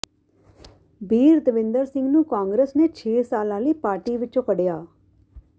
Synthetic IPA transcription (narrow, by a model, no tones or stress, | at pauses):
bʱiːɾd̪əʋɪ̃nd̪əɾsɪ̃ŋɡnũːkãːŋɡɾeːsneːt͡ʃʰeːsaːlãːləiːpaːɾʈiːʋɪt͡ʃõːkəɖjaː